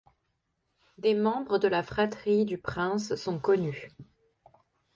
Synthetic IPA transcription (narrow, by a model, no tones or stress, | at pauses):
d̪emɑ̃bʁəd̪əlafχat̪χid̪ypχɛ̃sːɔ̃kɔny